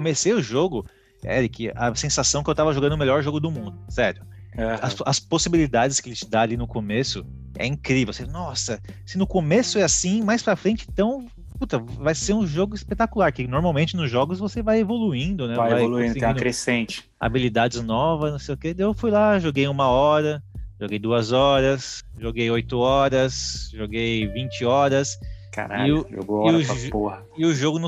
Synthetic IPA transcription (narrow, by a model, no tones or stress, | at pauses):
komesejʊʒoɡʊ | ɛ̰ɾikɪɐ̰sẽsasɐ̃w̃kɪewt̪avɐʒoɡɐ̃d̪ʊmeʎjɔɾʒoɡʊd̪ʊmũnd̪ʊsɛɾjʊ | ɛɐsɐsposibilid̪ad͡ʒɪskɪelɪt͡ʃɪd̪aalinʊkomesʊ | ɛ̰ĩkɾivewsenɔsɐsɪnʊkomesʊɛasĩmajspɾɐfɾẽnt͡ʃɪẽt̪ɐ̃w̃ | put̪ɐvajseɾũʒoɡʊispet̪akulaɾkɪnoɾmaw̃mẽnt͡ʃɪnʊzʒɔɡʊzvosevajevoluĩnd̪ʊnɛvajveajoluĩd̪ʊtẽkɾesẽnt͡ʃɪ̥ | a̰bilid̪ad͡ʒɪznɔvɐznɐ̃sejʊkeewfujlaʒoɡejũmɐɔɾɐʒoɡejd̪uɐzɔɾɐsʒoɡejojt̪ʊɔɾɐsʒoɡejvĩnt͡ʃɪɔɾɐska̰ɾa̰ɪʒo̰ɡoɪɾʊpohɐ | ɪʊʒoɡʊnʊ